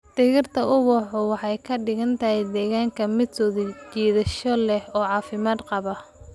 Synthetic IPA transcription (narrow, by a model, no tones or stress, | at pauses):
d̪̥ɪɣɪrt̪ʰɐʊβʊħʊwɑħɑjkʰɐɖɪɣɐnt̪ʰɐɦɛd̪ɛːɣaːŋkʰɐmɪd̪sʰɔːðɐt͡ʃiːðɐʃɔlɛhɔːʕɑːfɪmaːd̪qɑβɐ